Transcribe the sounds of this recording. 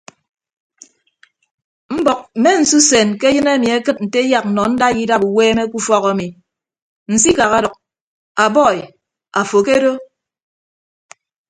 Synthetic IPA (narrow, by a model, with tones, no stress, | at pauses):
m̩˦bɔ˨k̚m̩˨me˦n̩˨su˦se˨nke˦jɨ˦ne˦˨mi˨e˦kɨ˦t̚n̩˨te˦ja˦k̚n̩˨nɔ˨n̩˦da˦˨ji˦da˦bu˨weː˦me˦ku˦fɔ˦ɣa˨˦mi˨ | n̩˨si˦ka˨ɣa˦dɔ˨k̚ | a˨bɔ˦˨ | a˨fo˨ke˦ɾo˦